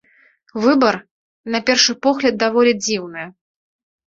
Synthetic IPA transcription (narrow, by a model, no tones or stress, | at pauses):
vɨbɐr | nɐpʲɛrʂɨpɔɣlʲɐd̪̚d̪avɔlʲɛd͡zʲiwnɨj